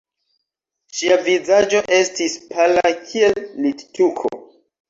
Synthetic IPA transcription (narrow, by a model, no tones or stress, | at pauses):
ʃiavizad͡ʒo̞ʔe̞stispʰalakʰie̞lːitt͡ʃukʰo̰